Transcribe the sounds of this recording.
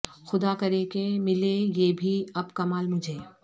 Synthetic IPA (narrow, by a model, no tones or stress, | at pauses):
xʊd̪aːkɐɾekemɪlejeːbʱiɐbkɐmaːlmʊd͡ʒʱeː